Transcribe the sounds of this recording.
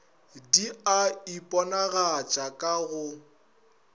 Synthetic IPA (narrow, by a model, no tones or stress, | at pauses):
diaipʼɔnaɣat͡ʃʼakʼaɣʊ